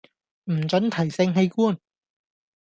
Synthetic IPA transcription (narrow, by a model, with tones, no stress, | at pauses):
m̩˨˩t͡ʃɵ˨˥nt̪ʰɐ˨˩jsɪ˧ŋɦe˧jkuː˥n